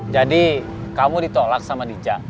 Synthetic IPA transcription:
d͡ʒadi | kamudit̪olak̚samadid͡ʒa

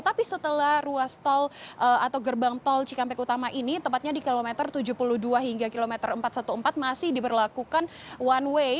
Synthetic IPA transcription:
ət̪apisət̪əlahruast̪ɔlʔəat̪awɡərbaŋt̪ɔlt͡ʃikampɛkut̪amaʔinit̪əmpat̪̚ɲadikilomɛt̪ərt̪ud͡ʒupuluhduaɦiŋɡakilomɛt̪ərəmpat̪̚sat̪uəmpat̪̚masɪhdipərlakukanwanwe

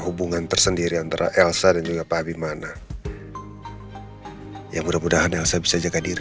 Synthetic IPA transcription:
ɦubuŋant̪ərsəndiɾiant̪aɾa̰ʔɛlsadand͡ʒuɡapabimana | jamudamudaɦanɛlsabisad͡ʒakadiɾ

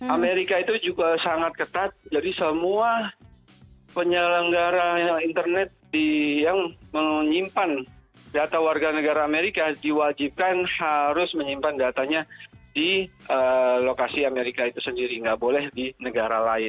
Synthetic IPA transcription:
ameɾikait̪ud͡ʒuɡasaŋat̪̚kət̪at̪̚d͡ʒadisəmua | pəɲələŋɡaɾaint̪ərnɛt̪̚dijaŋməɲimpan | dat̪awarɡanəɡaɾaːmeɾikadiwad͡ʒip̚kanhaɾʊsməɲimpandat̪aɲadiʔəlokasiameɾikait̪usəndiɾiŋɡaʔbolɛhdinəɡaɾalaɪn

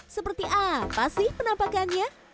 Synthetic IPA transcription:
səpərt̪iʔapasɪhpənampakanɲa

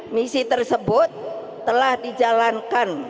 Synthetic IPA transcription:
misit̪ərsəbʊt̪̚ː | əlahdid͡ʒalankan

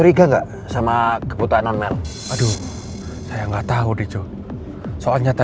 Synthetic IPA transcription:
əɾiɡaŋɡa̰ʔ | samakəbut̪aananmɛl | adu | sajaŋɡaʔt̪aɦudid͡ʒu | soalɲat̪a

